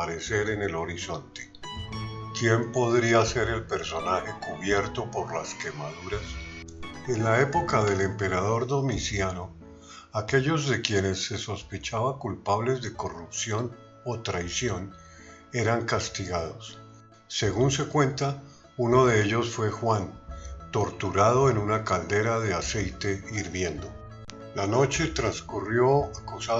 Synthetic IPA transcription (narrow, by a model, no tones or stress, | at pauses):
aɾe̞se̞ɾe̞ne̞lo̞ɾiso̞nt̪e̥ | kje̞mpo̞ðɾiase̞ɾe̞lpe̞ɾso̞naxe̞kuβje̞ɾt̪o̞po̞ɾlaske̞maðuɾas | e̞nlae̞po̞kaðe̞le̞mpe̞ɾað̞o̞ɾd̪o̞misjano | ake̞ʎo̞zðe̞kje̞ne̞sːe̞so̞spe̞t͡ʃaβakulpaβle̞zd̪e̞ko̞rupsjo̞n | ot̪ɾajsjo̞n | e̞ɾaŋkast̪iɣaðo̞sː | e̞ɣunse̞kwe̞nt̪a | uno̞ðe̞eʎo̞sfwe̞xwant̪o̞ɾt̪uɾað̞o̞e̞nunakald̪e̞ɾaðe̞ase̞jt̪e̞iɾβje̞nd̪o̞ | lano̞t͡ʃe̞t̪ɾanskurjo̞akusa